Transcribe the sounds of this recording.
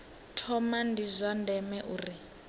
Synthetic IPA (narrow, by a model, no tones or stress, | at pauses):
tʰɔmandizʷandʱɛmɛʔuːri